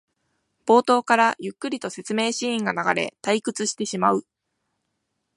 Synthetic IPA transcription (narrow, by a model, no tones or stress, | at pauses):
b̥o̞ːt̪o̞ːkaɾajɯ̟kːɯ̟ɾʲit̪o̞se̞t͡sɨme̞ːɕĩːŋɡanaɡaɾe̞̰t̪aikɯ̟t͡sɨɕi̥t̪e̞ɕimaɯ̟